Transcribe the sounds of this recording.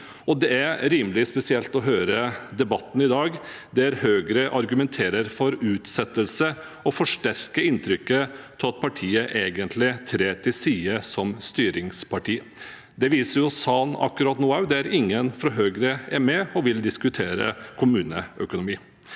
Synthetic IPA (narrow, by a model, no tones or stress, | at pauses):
ɔd̪ɛæɾɾiːmlɪspɛsɪɛlt̪ɔɦøːɾəd̪ɛbɑt̪ːn̩ɪd̪ɑːɡ | d̪ɛæɾhøːɡɾəʔɑɾɡʉmɛnt̪ʰeːɾəɾfɔɾʉːt̪sɛt̪ːəlsə | ɔfɔʂʈæɾkəɪnt̪ʰɾʏkːət̪ʰɪlɑt̪̚pʰɑʈʰiːəʔeːɡənt̪ʰlɪt̪ʰɾeːt̪ʰɪlsiːəsɔmst̪yːɾɪŋspʰɑʈiː | d̪ɛʋiːsəɾjʊɔsɑːnɑ̰kːʉɾɑːt̪nuːɑʉd̪ɛæɾɪŋːənfɾɔɦøːɡɾəɛɾmɛɔʋɪld̪ɪskʉt̪ʰeːɾə̰kʰʊmʉːnə̰œkʊnʊmiː